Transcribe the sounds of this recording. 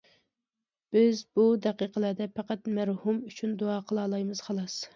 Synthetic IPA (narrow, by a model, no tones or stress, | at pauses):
b̥ɪzbud̪æqiqʰəlˠæɾd̪ɛpʰæqæt̪mæɾhumyt͡ʃʰynd̪oɑːqʰəlˠɑːlˠɑjmɨz̥χɑlˠɑs